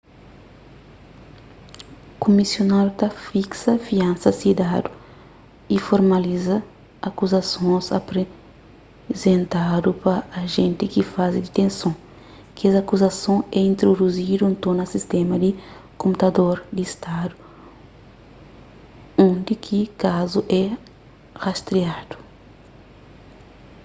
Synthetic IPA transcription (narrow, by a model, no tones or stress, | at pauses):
komisjonad̪ut̪ɐfiksɐfiãnsɐsid̪ad̪u | ifoɾmɐlizɐː | kuzɐsõzɐ̰pɾe | zẽnt̪ad̪upɐːʒẽnt̪ikifazid̪it̪ẽnsõ | kiɛzɐkuzɐsõɛĩnt̪ɾod̪uzid̪uũnt̪õnɐsist̪emɐd̪ikõmpt̪ɐd̪oɾd̪ist̪ad̪u | õnd̪ikʰikazuʔɛ | hast̪ɾiad̪̥u̥